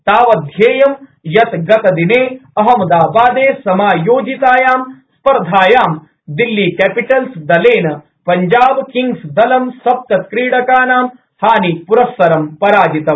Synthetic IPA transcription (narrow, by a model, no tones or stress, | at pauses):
t̪aːʋɐd̪ʱjeːjɐmjɐt̪ɡɐt̪ɐd̪ineːɐɦɐmɐd̪aːbaːd̪eːsɐmaːjoːd͡ʒit̪aːjaːmspɐɾd̪ʱaːjaːm | d̪ilːikɛːpiʈɐlsd̪ɐleːnɐ | pɐɲd͡ʒaːbkiŋɡsd̪ɐlɐmsɐp̚k̪ɐt̪kɾiːɽɐkaːnaːm | haːnipuɾɐsːɐɾɐmpɐɾaːd͡ʒit̪ɐ